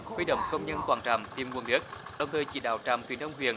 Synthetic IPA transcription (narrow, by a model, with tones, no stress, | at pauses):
hwi˧ɗə̰˧˨wŋ͡mkə˧wŋ͡mɲə˧nkwaː˧˩nt͡ɕa̰ː˧˨˩mt̪i˨˩mŋu˨˩ənɗi˦˥ət̚ɗə˨˩wŋ͡mt̪ʰəː˨˩jt͡ɕḭ˧˩ɗa̰ː˧˩wt͡ɕa̰ː˧˨mt̪wḭ˨˧˩ənɗ̪ə˧ŋ͡mhwḭ˧˨ən